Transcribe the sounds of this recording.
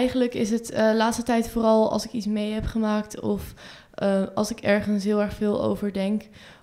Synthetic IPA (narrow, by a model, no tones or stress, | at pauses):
ɛjχənləkɪsətlaːtstətɛjtfoːɾɑlˠɑ̰lˠsɪkitsmejɦɛpχəmaːk̚tɔf | ɑlˠsɪkɛɹχənsɦɪːlˠɛɹχfɪːlˠo̰wvəɹdɛŋk